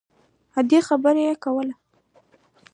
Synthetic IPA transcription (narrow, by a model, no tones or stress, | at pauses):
had̪exabəɾejekawəla